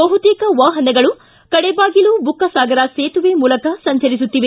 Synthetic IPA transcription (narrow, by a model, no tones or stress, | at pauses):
bɐɦut̪iːkɐʋaːɦɐnɛɡɐɭu | kɐɽɛbaːɡilubukːɐsaːɡɐɾɐseːt̪uʋeːmuːlɐkɐsɐɲt͡ʃɐɾis̬ut̪ːiʋe